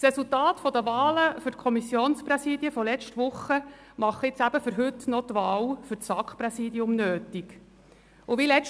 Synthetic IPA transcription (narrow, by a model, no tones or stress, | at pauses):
sɾɛsultaːt̪fɔd̪əʋaːləfʏɾtkʰɔmisːjoːnspɾɛsiːdjəfɔlɛt͡ʃtʋʊχːə | mɑχɪt͡sæb̥əfʏɾɦɵtnɔt̪ʋɑːlfʏɾsɑkχpɾɛsiːdiʊmnøːt̪iɡ | uʋilɛ